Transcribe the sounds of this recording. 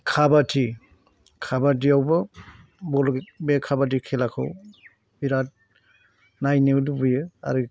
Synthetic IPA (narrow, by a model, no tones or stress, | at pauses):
kʰabatʰi | kʰabad̬iawbɯ | bɔlbekʰabad̬ikʰelakʰɯ̰w | biɾat̚ | najniwdubujɯa̰ɾɯ